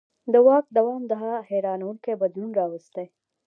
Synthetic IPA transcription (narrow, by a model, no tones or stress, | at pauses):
d̪əwɑk̚d̪awɑmd̪əɦaheɾɑnawuŋkebad̪lunɾɑwəst̪e